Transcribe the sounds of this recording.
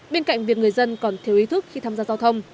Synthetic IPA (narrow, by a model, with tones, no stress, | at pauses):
ɓe˧nka̰˧˨jŋ̟vi˨˩ək̚ŋɨ˨˩əjzə˧nkɔ˨˩nt̪ʰi˨˦əwʔi˨˦t̪ʰɨ˦˥k̚xi˧t̪ʰaː˧mzaː˧zaː˧wt̪ʰə˧wŋ͡m